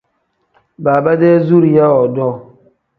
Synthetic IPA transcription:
baː˨ba˦dɛ˦zu˦ɾja˦ɔ˨dɔ˦˨

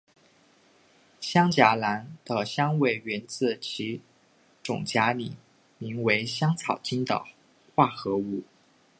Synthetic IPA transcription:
ɕjɑ˥ŋt͡ɕja˧˥la˧˥nd̪̥ə˧ɕjɑ˥ŋwe˥˩ɪɥɛ˧˥nt͡sɹ̩˥˩t͡ɕʰi˧˥ | ʈ͡ʂʊ̰˨˩ŋt͡ɕja˧˥lḭ˨˩ | mi˧˥ŋwe˧˥ɪɕjɑ˥ŋt͡sʰɑ˨˩ʊt͡ɕi˥nd̪ə̰˨ | xwa˥˩xɤ˧˥u˥˩

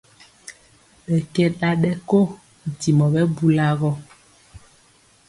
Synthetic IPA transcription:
ɓɛ˨kɛ˦ɗa˦ɗɛ˦ko˦˨ | ti˨mɔ˨ɓɛ˦bu˦la˦ɣɔ˦

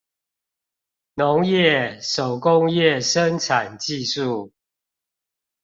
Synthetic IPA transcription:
no˨˦ŋjɛ˥˨ʂo˨˩ʊkʊ˦ŋjɛ˥˨ʂə˦nʈ͡ʂʰa˨˩nt͡ɕi˥˨su˥˨

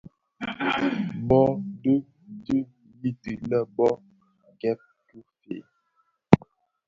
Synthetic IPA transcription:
bɔ˦də˦ | di˦ | ji˦tɨ˨lɛ˦bɔ˦ | ɡɛ˦p̚tu˦fḛ˨

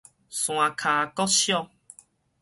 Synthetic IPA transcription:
sw̃ã˨kʰa˨kɔ˦ɕjɔ˦˧

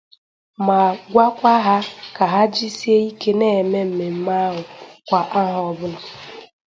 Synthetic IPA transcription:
ma˨ɡʷa˦kʷa˦ɦa˦ka˨ɦa˦d͡ʒi˦si˦e˦i˦ke˦ne˦˨me˦m̩˨me˨m̩˦ma˦ɦʊ˨kʷa˨ʔa˦ɦɔ˨bʊ˦nʊ˨

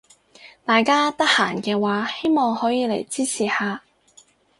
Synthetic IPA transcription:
t̪aː˨jkaː˥t̪ɐ˥k̚haː˨˩nkɛː˧waː˨˥he˥jmɔː˨˧ŋhɔː˨˥jiː˨˧le˨˩jt͡siː˥t͡sʰiː˨˩haː˨˧

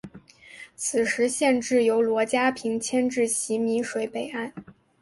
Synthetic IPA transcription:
t͡sʰɹ̩˨˩ʂɻ̩˧˥ɕjɛ˥˧nʈ͡ʂɻ̩˥˩jo˧˥ʊlwɔ˧˥t͡ɕja˥pʰi˧˥ŋt͡ɕʰjɛ˥nʈ͡ʂɻ̩˥˩ɕi˧˥mi˧˥ʂwe˧˥ɪpe˨˩ɪa˥˩n

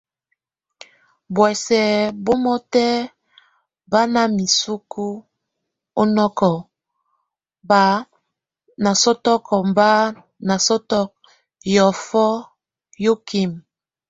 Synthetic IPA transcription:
bwɛ˨sɛ˨bo˦mɔ˦tɛ˦ | ba˦na˦mi˨su˦ku˦ | o˦nɔ˦kɔ˨ | ba˨˦ | na˨sɔ˦tɔ˦kɔ˨mba˦ | na˨sɔ˦tɔ˦k̚ | jɔ˨fɔ˦ | jo˦ki˦m

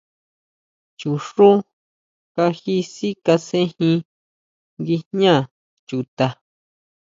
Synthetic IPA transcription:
t͡ʃu˨ʂu˦ | ka˧xi˦si˦ka˧sẽ˦hĩ˧ | ŋɡi˧ɲã˦˨ | t͡ʃu˨t̪a˧

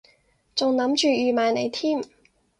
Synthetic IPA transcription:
t͡sʊ˨ŋnɐ˨˥mt͡ʃyː˨jyː˨˩maː˨jne˨˧jt̪ʰiː˥m

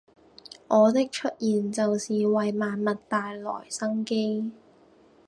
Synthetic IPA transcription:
ʔɔː˨˧t̪ɪ˥k̚t͡ʃʰɵ˥t̚jiː˨nt͡sɐ˨wsiː˨wɐ˨jmaː˨˧nmɐ˨tt̪aː˨jlɔ̰ː˨˩jsɐ˥ŋke˥j

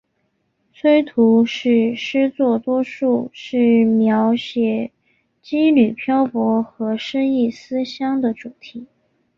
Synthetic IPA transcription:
sʰwe˥ɪt̪ʰu˧˥ʂɻ̩˥˩ʂɻ̩˥t͡swɔ˥˩t̪wɔ˥ʂu˥˩ʂɻ̩˥˩mjɑ˧˥ʊɕjɛ˨˩ | t͡ɕi˥ly˨˩pʰjɑ˥ʊpwɔ˧˥xɤ˧˥ʂə˥ŋi˥˩sɹ̩˥ɕjɑ˥ŋd̪ə˨ʈ͡ʂu˨˩t̪ʰi˧˥

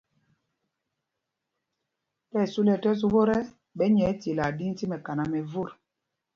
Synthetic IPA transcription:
tɛ˦˨su˦lɛ˨tɛ˦s̬u˦bo˦ɾɛ˦ | ɓɛ˦ɲɛ˨˦ti˨la˨di˦n˦ti˦mɛ˨ka˨na˨mɛ˨vu˦˨ɾ

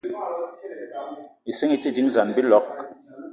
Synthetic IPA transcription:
i˨se˦ŋi˦ti˦˨di˨˦ŋza˨nbi˦lɔ˦k

